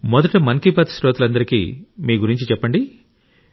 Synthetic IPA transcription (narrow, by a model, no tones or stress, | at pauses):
mɔd̪ɐʈɐmɐnkipɐːt̪sɾoːt̪ulɐnd̪ɐɾikḭːmiːɡuɾiɲt͡ʃit͡ʃɛpːɐɳɖi